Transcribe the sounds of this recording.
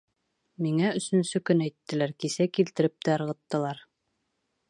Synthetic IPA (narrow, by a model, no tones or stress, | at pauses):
miŋæɵ̆sɵ̆nsɵkɵnæjt̪ːɘ̆læɾkisækilt̪ɘ̆ɾɘp̚t̪æɤɾʁɤ̆t̪ːɤ̆lˠɑɾ